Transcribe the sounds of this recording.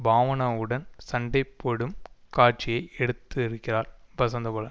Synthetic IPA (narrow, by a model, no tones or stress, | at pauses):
bʱaːʋɐnɐɯɽɐnsɐɳɖɐɪpːoɽɯmkaːɾt͡ʃːɪjɐɪɛɽɯt̪ːɯɪɾɯkːɪraːɾbɐsɐnd̪ɐpoːlɐ